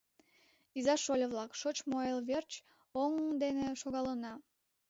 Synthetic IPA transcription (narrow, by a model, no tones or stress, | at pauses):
izɑʃolʲəβlɑkʃot͡ɕmoelβert͡ɕ | oŋd̪eneʃoɣɑlənɑ